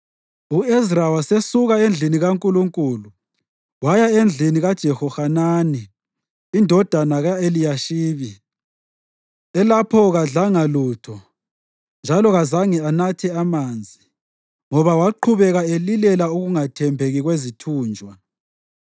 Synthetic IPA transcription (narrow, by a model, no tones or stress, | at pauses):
uezrawasesuɣaend͡ɮʱiniɣaŋkʼuluŋkʼulu | wajaend͡ɮʱiniɣad̥ʒ̥ʱɛxɔxananiː | ndʱɔd̥ʱanaɣaelijaʃiːβi | ɛlapʰɔɣaɮaŋaluːtʰɔ | nd͡ʒʱalɔɣazaŋɛanatʰɛamaːnd͡zʱi | ŋɔβawaǃʰuβɛɣaelilɛlauɣuŋatʰɛmbʱeɣiɣwezitʰuːnd͡ʒʱwa